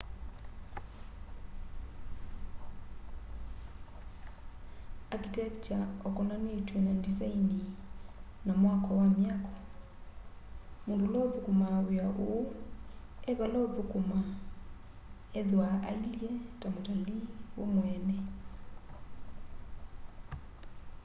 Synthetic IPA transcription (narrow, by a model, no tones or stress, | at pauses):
akitɛkt͡ʃaɔkɔnanetwenadizaini | namwakɔwamjakɔ̥ | mondolɔpukumaweaʔoo | eβalaopukuma | eðwaʔa̰iljɛtamotaliwomwɛnɛ